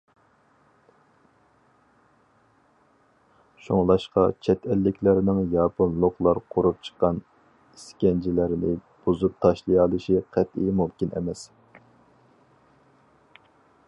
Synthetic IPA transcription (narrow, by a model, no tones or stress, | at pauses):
ʃuŋlˠɑʃqɑ̰t͡ʃʰɛt̪ʰɛlːɪkʲʰlæɾnɪŋjɑːpʰʊnlˠʊχlˠɑɾqʰoɾup̚t͡ʃʰə̥qːɑn | iskʲɛnd͡ʒilæɾɪnɪ | b̥uzup̚t̪ʰɑʃlˠɨjɑlˠɨʃiqʰæt̪ijmumkʲinɛ̰mɛs